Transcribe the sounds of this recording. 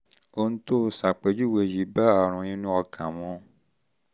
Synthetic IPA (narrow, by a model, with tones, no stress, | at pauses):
o˧nũ˦to˦˧˦sa˨k͡pe˨˦d͡ʒu˦˨we˧˨ji˨˦ba˦a˨ɾ̃ũ˧ĩ˦nũ˦ɔ˧kʰã˨mɔ̃˨˦